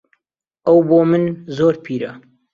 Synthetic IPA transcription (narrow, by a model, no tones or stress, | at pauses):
ʔɐwboːmɨnzoːɾpʰiːɾɐ